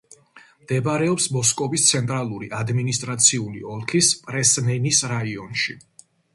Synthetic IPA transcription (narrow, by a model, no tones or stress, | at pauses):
md̪̥ɛbɾɛɔpsmɔskʼɔbist̪sʰɛnt̪ʼɾalˠuɾiʔad̪minist̪ʼɾat̪sʰiulḭɔlˠkʰispʼɾɛsmɛnisɾaiɔnʃi